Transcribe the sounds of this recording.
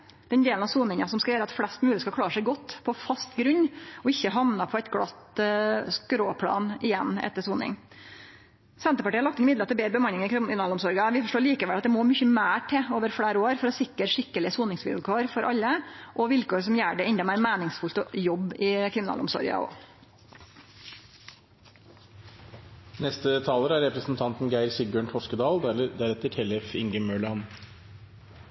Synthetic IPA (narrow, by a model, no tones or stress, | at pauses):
d̪̥ɛnd̪eːlnɑʋsuːnɪŋɑsɔmskɑjøːɾəɑt̪flɛst̪mʉːləskɑkʰlɑːɾʂæɪɡɔt̪ːpʰɔfɑst̪ɡɾʉɲːɔɪçːəɦɑʋnɑpʰɔɛt̪ɡɽɑt̪skɾoːpʰlɑ̰ːnʔɪjɛnːɛ̰t̪ːəsuːnɪ̰ŋ | sɛnt̪əpɑʈiːɑlɑkt̪ɛnmɪd̪lət̪ɪlbeːɾəbəmɑnːɪŋɪnɑːlʊmsɔɾɡɑʋɪfɔʂʈoːɭiːkəʋɛlɑt̪̚d̪ɛmɔmʏçəmæːʈʰɛoːʋəɾfɽeːɾoːɾfɔɾɔsɪkːəɾʂɪkːəlɪəsuːnɪŋsʋɪ̰lkʰoːɾfɔɾʔɑlːəʔɔʋɪlkoːɾsɔmjæːɖɛɛnd̪ɑmæːɾmæːnɪŋsfʉlt̪ɔjɔbɪkʰɾɪmɪnɑ̰ːlʊ̰msɔ̰ɾɡɑ̰ʔo̰ː | nɛst̪ət̪ʰɑːləɾæɾɛpɾəsnt̪ʰɑnt̪n̩ɡæɪɾsɪɡøːɳʈʰɔʂkəd̪ɑːld̪æɾɛt̪əʈʰɛlɛfɪŋɡəmøːɭɑn